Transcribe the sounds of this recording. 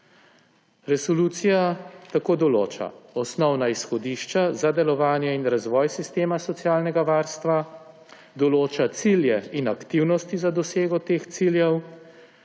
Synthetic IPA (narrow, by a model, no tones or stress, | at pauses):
ɾɛsɔluːt̪sijat̪akoːd̪ɔloːt͡ʃa̰ɔsnɔwnaisxɔd̪iːʃt͡ʃazad̪ɛlɔʋaːnjɛinɾazʋɔːjsist̪eːmasɔt̪sjaːlnɛɡaʋaːɾst̪ʋa | d̪ɔloːt͡ʃat̪siljɛinakt̪iwnɔst̪izad̪ɔseːɡɔt̪eːxt̪siljɛw